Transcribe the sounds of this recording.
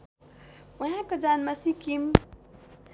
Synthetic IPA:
uɦãkod͡ʒanmasikim

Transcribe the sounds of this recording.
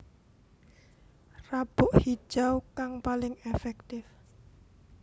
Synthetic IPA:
rab̥ʊʔhi̥ʒ̥awkaŋpalɪŋefɛk̚t̪ɪf

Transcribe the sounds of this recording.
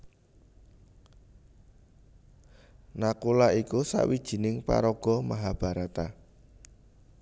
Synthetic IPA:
nakulaikusa̰ʔwid̥ʒ̥i̤nɪŋpa̰ɾɔɡ̥ɔ̤maɦab̥a̤ɾat̪a

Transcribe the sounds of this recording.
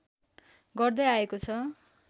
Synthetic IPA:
ɡʌrd̪ʌjaekot͡sʰʌ

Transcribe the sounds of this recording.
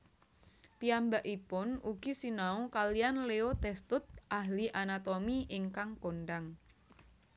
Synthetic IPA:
piambaʔipʊnuɡ̥i̤sinaukalijanleot̪ɛst̪ʊt̪̚ʔaɦliʔanat̪omiʔɪŋkaŋkonɖaŋ

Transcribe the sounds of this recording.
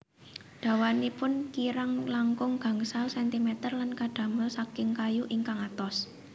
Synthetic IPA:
ɖ̪̥ä̤wanipʊnkiɾaŋlaŋkʊŋɡ̥a̤ŋsalsɛnt̪imɛt̪ərlankaɖ̥a̤mʊlsakɪŋkajuʔiŋkaŋat̪ɔs

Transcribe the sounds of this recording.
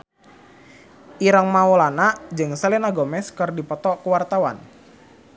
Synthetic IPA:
ʔiɾəŋmaulanaʔd͡ʒɨŋsəlɛnaɡomɛskɨrdipɔt̪ɔkəwart̪awa̰n

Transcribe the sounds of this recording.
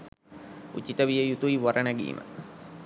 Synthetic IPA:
ṵt͡ɕit̪əʋijəjut̪uiʋɐɾənəɡḭːmʔə̰

